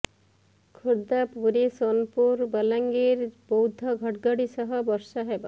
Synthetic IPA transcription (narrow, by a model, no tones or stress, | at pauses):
kʰuɽd̪apuɾisonpuɾbəlaŋɡeɾbɔwd̪ʱɔɡʱɔʈɡɔɽisɔɦɔbɔɾsɔɦeba